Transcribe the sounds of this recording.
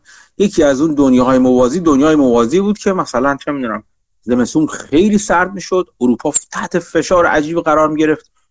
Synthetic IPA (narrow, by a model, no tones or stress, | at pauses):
je̞cʰiːæzuːnd̪onjeɦɒːjemovɒːziːd̪onjɒːjemovɒːziːbuːd̪̚cʰe̞mæsælænt͡ʃʰemid̪uːnæm | ze̞mesuːmxe̞jliːsæɾd̪̚miːʃo̞d̪̥oɾuːpʰɒːt̪ʰæht̪ʰe̞fe̞ʃɒːɾeʔæd͡ʒiːbɣæɾɒːɾmiɟe̞ɾe̞ft̪̚